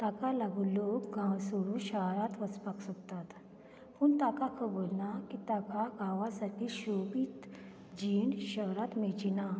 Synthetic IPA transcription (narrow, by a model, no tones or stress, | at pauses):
t̪akalaɡulokɡãwsoɾuɕaɦɾat̪ʋət͡spaksɔkt̪at̪ | puɳt̪akakʰəbolnakit̪akaɡʱãʋasaʈiːɕopiːt̪ | d͡ʑiɳɕəɦɾat̪med͡ʑina